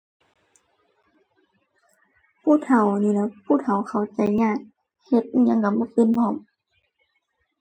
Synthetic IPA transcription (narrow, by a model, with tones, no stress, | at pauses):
pʰuː˧˥˨t̪ʰa˨˩wniː˧˨lɛː˧pʰuː˧˨t̪ʰa˨˩wxʰa˨˩wt͡ɕa˨˦jɲaː˧˥˩k̚ | he˧˦t̪̚ːɲa˧˥˨ŋka˧˩˦bɔ˧˥˨pi˧˨nhʰɔ˧˩˨m